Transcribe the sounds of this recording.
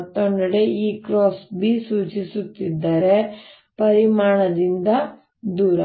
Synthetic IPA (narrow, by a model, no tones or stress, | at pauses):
t̪ːoɳɖɐɽe̞ʔiːkɾoːsbisuːt͡ʃisut̪ːid̪ːaːɾe̞ | pɐɾimaːɳɐd̪ind̪ɐ | d̪uːɾɐ